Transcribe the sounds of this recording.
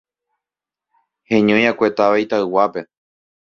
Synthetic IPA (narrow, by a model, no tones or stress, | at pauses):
hẽɲõj̃akʷet̪aʋait̪aɨwape̞